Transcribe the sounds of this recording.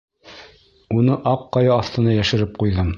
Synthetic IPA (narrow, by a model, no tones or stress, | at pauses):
unɤʔɑqːɑjɑːθt̪ɤ̆nɑjæʃɘ̆ɾɘp̚qujðɤm